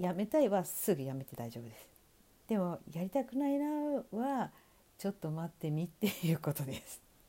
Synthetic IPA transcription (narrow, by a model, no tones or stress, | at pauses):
jame̞t̪aiβasɨɡɯ̟jame̞t̪e̞d̪aiʑo̞ːbɯ̟d̪e̞sɨ̥ | d̪̥e̞mo̞jaɾʲit̪akɯ̟nainaβa | t͡ɕo̞t̪ːo̞mat̪ːe̞mʲit̪ːe̞jɯ̟ːko̞t̪o̞d̪e̞sɨ̥